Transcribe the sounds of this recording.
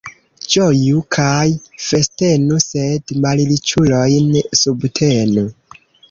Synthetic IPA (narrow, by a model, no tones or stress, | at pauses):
d͡ʒojukʰajfe̞stenuse̞dmalilit͡ʃulojnsubtʰenu